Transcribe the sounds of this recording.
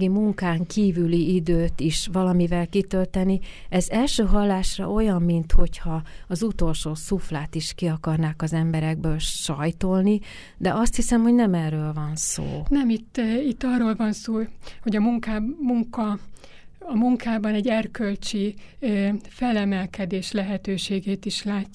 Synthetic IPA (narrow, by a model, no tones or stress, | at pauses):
ɡimuŋkaːŋkiːvyliid̪øːt̪iʃʋɒlɒmivɛlkit̪ølt̪ɛni | ɛzɛlʃøːɦɒlːaːʃrɒ̰o̞jɒmːint̪ho̞chɒɒzut̪o̞lʃoːsuflaːt̪iʃkiɒkɒrnaːkɒzɛmbɛɾɛɡ̚bøːlʃɒjt̪olni | d̪ɛʔɒst̪hisɛmho̞ɟnɛmɛrːøːlvɒnso̰ːnɛmit̪ːit̪ːɒrːoːlvɒnsoːho̞ɟɒmuŋkamuŋkɒ | ɒmuŋkaːbɒnɛɟɛrkølt͡ʃi | fɛlɛmɛlkɛd̪eːʃlɛɦɛt̪øːʃeːɡeːt̪iʃlaːcː